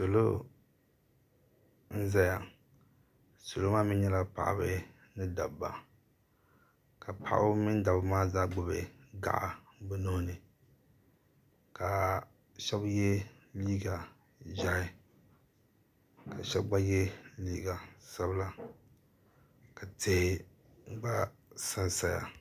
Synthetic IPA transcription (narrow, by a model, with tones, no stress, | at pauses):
so˨lo˦ | n̩˦za˦ja˨ | so˨lo˦maː˦mɪ˦nɲɛ˦la˨pa̰˨ʔa̰˨bɨ˦ | nɨ˦da̰˨ba̰˨ | ka˨pa̰˨ʔa̰˦bmi˦n˦da˨bɨ˨maː˦zaː˦ɡ͡bʊ˨bḛ˨ɡa̰˨ʔa̰˨ | bɨ˦no˦nɨ˨ | ka˨ | ʃɛ˦bjɛ˦ | liː˦ɡa˨ | ʒa˦ɪ˦ | ka˨ʃɛ˦bɡ͡ba˦jɛ˦liː˦ɡa˨sa˦bla˨ | ka˨tʰe˨˦˨ | ɡ͡ba˦sa˦nsa˨ja̰˨